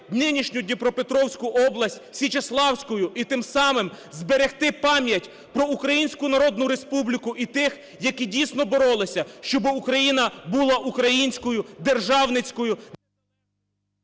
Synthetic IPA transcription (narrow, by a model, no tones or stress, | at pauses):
d̪nɪnʲiʃnʲʊd̪ʲnʲipɾɔpet̪ɾɔwsʲkʊʔɔblˠɐsʲtʲsʲit͡ʃeslˠɑwsʲkɔjʊʔit̪ɪmsɑmɪm | zbeɾext̪ɪpɑmʲjɐtʲ | pɾɔukɾɐjinʲsʲkʊnɐɾɔd̪nʊɾe̞spublʲikʊʔit̪ɪx | jɐkidʲijsnɔbɔɾɔlˠɪsʲɐʃt͡ʃɔbɪukɾɐjinɐbulˠɑʔukɾɐjinʲsʲkɔjʊd̪erʒɑwnɪt͡sʲkɔjʊ